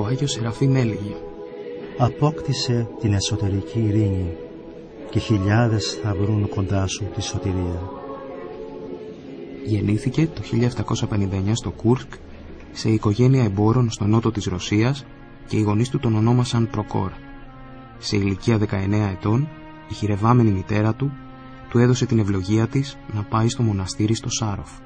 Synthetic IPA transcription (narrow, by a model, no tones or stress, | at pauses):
oɐʝio̞seɾɐfime̞liʝe | ɐpo̞kt̪ise̞t̪ine̞so̞t̪e̞ɾiciːɾiɲi | ceçiʎɐðe̞sθɐvɾunko̞nd̪ɐsut̪iso̞t̪iɾiɐ | ʝe̞niθice̞t̪o̞çiʎɐft̪ɐko̞sɐpe̞nind̪ɐeɲɐst̪o̞kuɾsk | se̞iko̞ʝe̞niɐembo̞ɾo̞nst̪o̞no̞t̪o̞t̪izɾo̞siɐs | ce̞iɣo̞nist̪ut̪o̞no̞no̞mɐsɐnpɾo̞ko̞̰ɾ | se̞iliciɐðe̞kɐe̞ne̞ɐe̞t̪o̞n | içiɾe̞vɐme̞nimit̪e̞ɾɐt̪u | t̪ue̞ðo̞se̞t̪ine̞vlo̞ʝiɐt̪isnɐpɐist̪o̞mo̞nɐst̪iɾist̪o̞sɐɾo̞f